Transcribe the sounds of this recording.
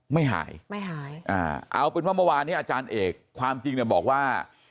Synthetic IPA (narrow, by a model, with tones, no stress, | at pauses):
ma˥˩jɦa̰ː˩˦jma˥˩jɦaː˨˩˦jʔa̰ː˧˩ʔa̰˧wpe˧nwa˥˩mɔ˥˩waː˧nːiː˦˥ʔaː˧t͡ɕaː˧nʔeː˨˩kʰːwaː˧mt͡ɕi˧ŋni˨˩bɔː˨˩k̚waː˥˩